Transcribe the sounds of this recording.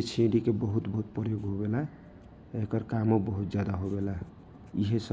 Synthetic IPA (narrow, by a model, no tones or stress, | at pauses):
et͡ʃʰẽɖikebəɦut̪bəɦut̪̚pəɾjoɡɦobelaɦ | ekəɾkamobəɦut̪̚d͡ʒjad̪aɦobelaɦ | iɦesə